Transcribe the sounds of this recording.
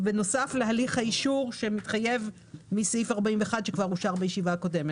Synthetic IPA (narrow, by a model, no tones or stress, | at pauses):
beno̞safleɦaliχhaiʃuʁʃe̞mitχaje̞v | misifaʁbaimveːχadʃekvaʁuʃaʁbajeʃivaːko̞de̞met